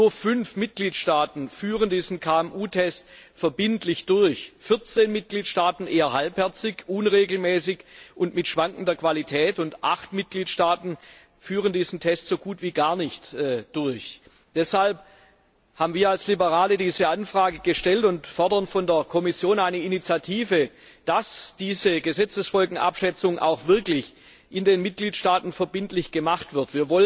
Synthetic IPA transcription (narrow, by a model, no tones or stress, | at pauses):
nuːɐfʏnfmɪt̚ɡ̥liːtʃtaːtn̩fyːʁəndiːzn̩kʰaːɛmʔuːtʰɛstfɛɐbɪntlɪçd̥ʊɐçfɪɐt͡seːnmɪt̚ɡ̥liːtʃtaːtn̩ʔeːɐɦalphɛɐt͡sɪçʔʊnʁeːɡl̩mɛːsɪçʔʊntmɪtʃv̥aŋkn̩dɐkv̥alitʰɛːtʊntʔa̰χtmɪt̚ɡ̥liːtʃtaːtn̩ | fyːʁəndiːzn̩tʰɛstz̥oːɡuːtv̥iːɡaːɐnɪçtːd̥ʊɐç | d̥ɛshalp | haːbmviːɐalslibəʁaːlədiːzəʔanfʁ̥aːɡəɡəʃtɛltʊntfɔɐdɐnfɔndeːɐkʰɔmɪsjoːnaɪnəɪnit͡sjatʰiːvə | d̥asd̥iːzəɡəzɛt͡səsfɔlɡŋ̩ʔa̰pʃɛt͡sʊŋʔa̰ʊxv̥ɪɐklɪç | ʔɪndeːnmɪt̚ɡ̥liːtʃtaːtn̩fɛɐbɪntlɪçɡ̥əmaχtv̥ɪɐtv̥iːɐvɔlə